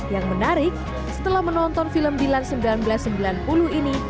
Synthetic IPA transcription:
jaŋmənaɾɪk̚ | sə̥t̪əlahmənɔnt̪ɔnfiləmbilansəmbilanbəlasːəmbilanpuluɦini

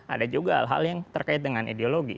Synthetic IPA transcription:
ʔa̰dad͡ʒuɡaha̰lɦa̰ljaŋt̪ərkaɪt̪̚dəŋanʔḭdeoloɡḭ

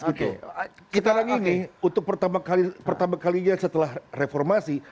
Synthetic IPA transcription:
ɡit̪ukit̪anaŋiniunt̪ʊk̚pərt̪amakalipərt̪amakaliɲasət̪əlahrefɔrmasi

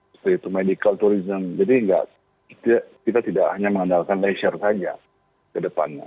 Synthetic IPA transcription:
t̪uit̪umedikalt̪uɾizəmd͡ʒadiəŋɡa̰ʔ | ki̥t̪akit̪at̪idaʔhaɲaməŋənalkanlesərsad͡ʒa̰ | kədəpa̰nɲa̰

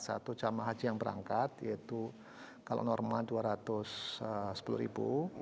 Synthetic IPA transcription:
sa̰t̪ut͡ʃamaɦad͡ʒijaŋbəɾa̰ŋkat̪jait̪u | kalo̰ʔnɔrmalduaɾat̪ʊsəsə̥puluɾḭbṵ

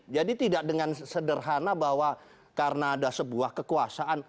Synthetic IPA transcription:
d͡ʒadit̪idak̚dəŋansədərɦanabaɦwa | kaɾənaːdasəbuahkəkuasaʔan

